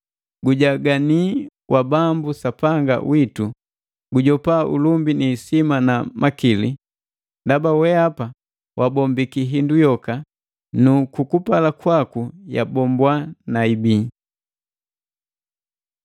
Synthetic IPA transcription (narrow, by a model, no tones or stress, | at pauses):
ɡuɟaɡaniwʔabambusapaŋɡa̰witu | ɡuɟɔpaʔṵlumbiniːsimanamakili | ndabawɛapa | wabɔmbikiɦindujɔka | nukukupalakwakuja̰bɔmbwanaibi